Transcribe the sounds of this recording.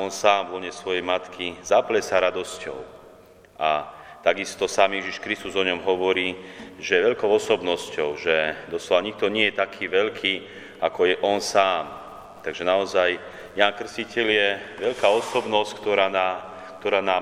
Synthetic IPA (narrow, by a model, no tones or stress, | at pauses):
ɔnsaːmvɔlɲɛsʋɔjɛjmat̪kʰizaplɛsaɾad̪ɔscɔ̰ʊ | ʔat̪aɡist̪ɔsaːmjɛʒiʃkɾist̪uzɔɲɔmɦɔʋɔɾiːʒɛjɛʋɛʎkɔʊɔsɔbnɔscɔʊʒɛd̪ɔslɔʋaɲik̚t̪ɔɲɪɛjɛt̪akʰiːʋɛʎkʰiː | akɔjɛʔɔnsaːm | t̪aɡʒɛnaɔzaj | jaːnkr̩scicɛʎjɛʋɛʎkaːɔsɔbnɔsckt̪ɔɾaːnaː | kt̪ɔɾaːnaː